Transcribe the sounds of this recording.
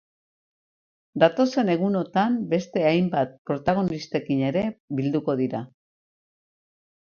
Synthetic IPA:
d̪at̪o̞se̞ne̞ɣ̞uno̞t̪ambe̞st̪e̞ajmbat̪̚pɾo̞t̪aɣ̞o̞nist̪e̞kine̞ɾe̞bild̪uko̞ðiɾa

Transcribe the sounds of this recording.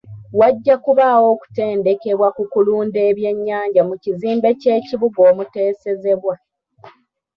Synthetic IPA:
waɟːakuβaːwo̞ːku̥te̞ːnde̞ke̞βwakukuluːnde̞ːβje̞ɲːaːɲɟamuciziːmbe̞ce̞ːciβuɡo̞ːmuteːse̞ze̞βwa

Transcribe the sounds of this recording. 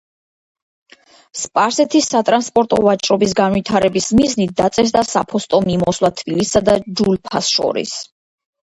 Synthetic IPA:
spʼaɾsɛt̪ʰisːat̪ʼɾanspʼɔɾt̪ʼɔvat͡ʃʼɾɔbis̬ɡanwit̪ʰaɾɛbismiznit̪̚ʰd̪at̪sʼɛs̬d̪asa̰pʰɔst̪ʼɔmimɔslˠat̪ʰb̥ilisːad̪ad͡ʒulpʰasʃɔ̰ɾḭs

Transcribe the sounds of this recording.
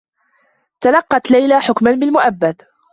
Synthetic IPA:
t̪alɑqːɑt̪lajlaħʊkmanbɪlmʊʔabːad̪

